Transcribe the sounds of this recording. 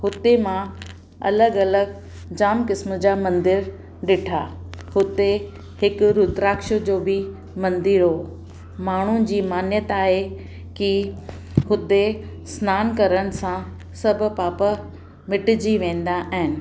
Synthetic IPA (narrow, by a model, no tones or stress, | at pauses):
hʊt̪emã | ɐ̰ləɡɐləɡ | d͡ʑaːmkɪsmʊd͡ʑaːmɐ̃nd̪ɪɾ | ɗɪʈʰaː | hʊt̪e | hɪkʊɾʊt̪ɾaːkʃəd͡ʑoːbɪ | mɐ̃nd̪ɪɾɦo | maːɳ̤ud͡ʑiːmaːnjət̪aːɦe | ki | hʊd̪e | snaːnkɐɾəɽ̃ɪ̆sã | sɐbʱʊ̆paːpa | mɪʈɪd͡ʑiʋẽːn̆d̪aʔaɦɪnɪ̆